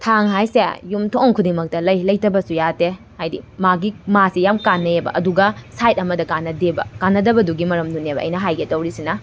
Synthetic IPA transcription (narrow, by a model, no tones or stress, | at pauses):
tʰaŋɦajsḛjumtʰoŋkʰudiŋmɐk̚tɐlɐjlɐjtɐbɐsujate | hajdḭmaɡimasijamkanːɐebɐ̰ʔɐduɡɐsajt̚ɐmɐdɐkanːɐdebɐ̰kanːɐdɐbɐduɡimɐɾɐmdunebɐ̰ʔɐ̰jnɐɦajɡetɐwɾisinɐ